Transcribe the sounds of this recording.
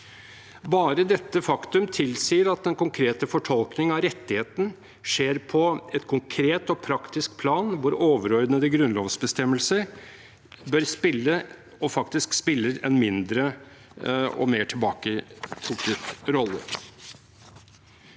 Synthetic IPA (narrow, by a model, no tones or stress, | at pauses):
bɑːɾəd̪ɛt̪ːəfɑkt̪ʉmt̪ʰɪlsiːəɾɑt̪̚d̪ɛnkʊŋkʰɾeːt̪əfɔʈʰɔlknɪŋɑɾɛt̪ːɪheːt̪n̩ | ʂeːɾpʰɔɛt̪kʰʊŋkʰɾeːt̪ɔpʰɾɑkt̪ɪsk̚pʰlɑːnʋʊɾoːʋəɾœʏd̪nəd̪əɡɾʉnloːʋsbəst̪ɛmːəlsəɾ | bœɾspɪlːə | ɔfɑkt̪ɪskspɪlːəɾɛ̰nmɪnd̪ɾə | ɔ̰meːʈʰɪlbɑːkət̪ʰʊkət̪ɾɔlːə̰